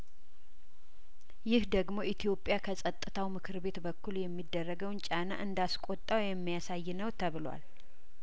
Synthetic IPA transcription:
jɪhd̪əɡmo̞ʔit̪ʰijo̞pʼːjakʰəsʼət̪ʼːɨt̪ʰawmɨkʰɨɾbe̞t̪bəkʰːuljɛmːid̪ːərːəɡəwnt͡ʃʼana̰ʔɨnd̪askʷʼo̞t̪ʼːawjɛmːijasajːnəwt̪ʰəβɨlwa̰l

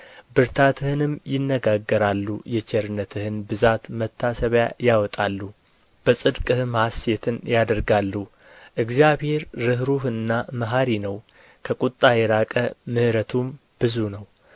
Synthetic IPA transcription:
bɨɾt̪ʰat̪ʰɨhɨnɨmjɪnːəɡaɡːəɾalːujɛt͡ʃɛɾɨnət̪ʰɨhɨnbɨzat̪mət̪ʰːasəβja̰jawɔt̪ʼalːu | b̥əsʼɨd̪kʼɨhɨmhaset̪ʰɨnjad̪əɾɡalːu | ʔɨɡzjaβhe̞ɾːɨɦɾuhɨnːaməɦaɾinəw | kʰəkʼut̪ʼːajɛɾakʼəmɨhɾət̪ʰum | b̥ɨzunəw

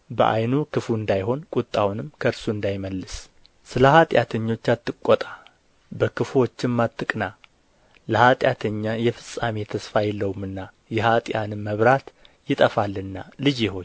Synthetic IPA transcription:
bə̰ʔa̰jnukɨfuɨnd̪ajɦo̞nkʼut̪ʼːawnɨmkʰəɾsuɨnd̪ajməlːɨs | sɨləhat̪ʼjat̪ʰəɲːo̞t͡ʃːat̪ʰːɨkʼːot̪ʼḁ | bəkɨfo̞t͡ʃːɪmːat̪ʰːɨkʼna | ləhat̪ʼjat̪ʰəɲːajɛfɨsʼːame̞t̪ʰəsfajɛlːəwumɨnːa | jɛhat̪ʼjanɨmmːəβɾat̪ | jɪt̪ʼəfalːɨnːalɨd͡ʒjɛho̞ɲ

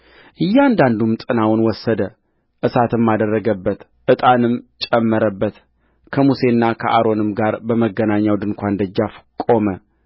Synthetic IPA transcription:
ʔɨjːɛand̪and̪umt̪ʼɨnawnwɔsːəd̪ə | ʔɨsat̪ɨmːad̪ərːəɡəbːət̪ | ʔɨt̪ʼanɨmt͡ʃʼɛmːəɾəbːət̪ | kʰəmuse̞nːakʰəʔaɾo̞nɨmɡaɾbəməɡənaɲːawd̪ɨnkʷand̪əd͡ʒːafkʼo̞mə

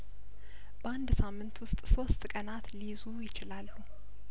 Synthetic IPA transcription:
b̥əand̪samːɨnt̪wʊst̪ʼso̞st̪ʼkʼənat̪lizujɪt͡ʃɪlalːu

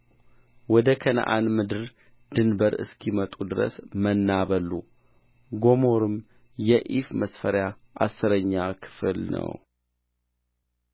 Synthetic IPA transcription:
wɔd̪əkʰənə̰ʔanmɨd̪ɨɾ | d̪ɨnbəɾɨ̰skʰimət̪ʼud̪ɨɾə̰smənːaβəlːṵ | ɡo̞mo̞ɾɨm | jɛʔifməsfəɾja | ʔa̰sːɨɾəɲːakʰɨ̥flnə̰w

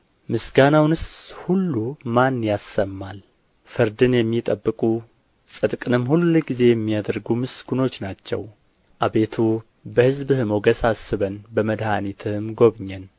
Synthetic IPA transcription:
mɨsɡanawnɨshulːumanjasːəmːal | fɨɾd̪ɨnjɛmːit̪ʼəbːɨkʼu | sʼɨd̪kʼɨnɨmːhulːuləɡize̞jɛmːijad̪əɾɡumɨsɡuno̞t͡ʃːnat͡ʃːɛ̰w | ʔaβe̞t̪ʰu | bəhɨzbɨhɨmoɡəsasːɨβənbəməd̪hanit̪ʰɨhɨmɡo̞βɲːɛn

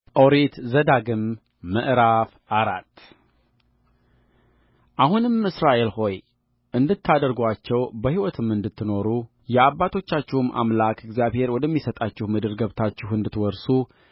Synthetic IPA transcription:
ʔoɾet̪zəd̪aɡɨmː | əʔɾafʔaɾat̪ː | ʔahunɨmɨsɾaʔe̞lho̞j | ɨnd̪ɨt̪ʰːad̪əɾɡʷat͡ʃːɛwbəhiwɔt̪ʰɨmɨnd̪ɨt̪ʰːɨno̞ɾu | jɛaβːat̪ʰo̞t͡ʃːat͡ʃːɪhɨmʔa̰mlakʰɨɡzjaβhe̞ɾwɔd̪əmːisət̪ʼat͡ʃːɪhmɨd̪ɨɾɡəβt̪ʰat͡ʃːɪhɨnd̪ɨt̪wɔɾsu

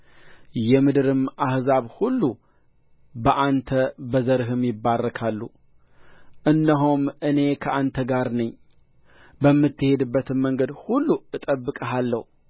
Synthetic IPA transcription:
jɛmɨd̪ɨɾɨmʔahzaβhulːu | bəʔant̪ʰəbəzəɾɨɦɨmjɪbːarːəkʰalːu | ʔɨnːəɦumʔɨne̞kʰəʔant̪ʰəɡaɾnəɲː | bəmːɨt̪ːɨhe̞d̪ɨbːət̪ʰɨnmːəŋɡəd̪hulːuɨt̪ʼəbːɨkʼəɦalːəhu

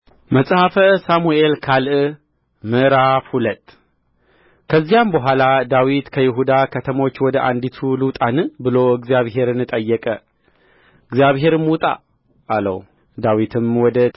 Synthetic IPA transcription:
məsʼhafəsamuʔe̞lkʰalʔɨ | mɨɾafhulət̪ʼː | kʰəzːijambəɦʷalad̪awit̪kʰəjɪɦud̪akʰət̪ʰəmo̞t͡ʃːwɔd̪əʔand̪it̪ʰulɨt̪ʼanɨbɨlo̞ɨɡzijaβɦe̞ɾɨnɨt̪ʼəjːɛkʼə | ɨɡzijaβɦe̞ɾɨmwut̪ʼa̰ː | lə̰w | d̪awit̪ʰɨmwɔd̪ə

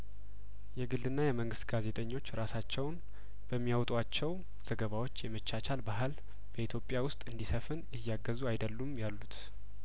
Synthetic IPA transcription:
jɛɡɨld̪ɨnːajɛməŋɡɨst̪ɡaze̞t̪ʼəɲːo̞t͡ʃːɾasat͡ʃːɛwn | b̥əmːijawt̪ʼwat͡ʃːɛw | z̥əɡəβawo̞t͡ʃːjɛmət͡ʃːat͡ʃʰalbaɦɨl | b̥əit̪ʰjo̞pʼjawʊst̪ʼɨnd̪isəfɨnɨjːaɡəzuajd̪əlːumjalːut̪

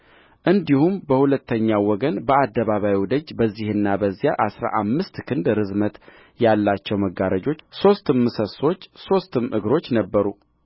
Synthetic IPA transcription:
ʔɨnd̪ihumbəhulət̪ʰːəɲːawɔɡənbəad̪ːəβaβawiwd̪əd͡ʒbəzːihɨnːabəzːjaʔasɾa̰ʔamːɨst̪kʰɨnd̪ɾɨzmət̪ | jalːat͡ʃːɛwməɡaɾəd͡ʒo̞t͡ʃːso̞st̪ɨmːɨsəso̞t͡ʃːso̞st̪ɨmʔɨɡɾo̞t͡ʃːnəbːəɾu

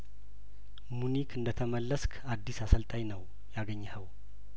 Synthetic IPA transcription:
munikʰɨnd̪ət̪ʰəməlːəskʰad̪ːisasəlt̪ʼajnəw | jaɡəɲːahəw

